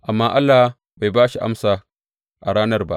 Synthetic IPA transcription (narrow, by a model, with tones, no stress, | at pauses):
ʔa˨mːaː˦ʔa˦lːa˨h | ba˨jbaː˦ʃi˨ʔa̰˦msaː˨ | ʔa˨ɽaː˦nɐ˦rba̰˦ʔ